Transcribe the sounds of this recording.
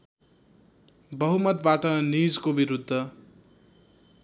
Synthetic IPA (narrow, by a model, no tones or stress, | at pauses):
bʌɦumʌt̪̚baʈʌnid͡zkobiɾud̪ʱːʌ